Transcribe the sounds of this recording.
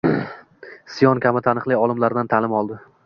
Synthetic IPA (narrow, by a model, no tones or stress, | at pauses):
sɪjɒnkʲamɪt̪ʰanɨχlˠijɒlˠɪmlaɾd̪ant̪ʰalɪmɒlˠd̪ɪ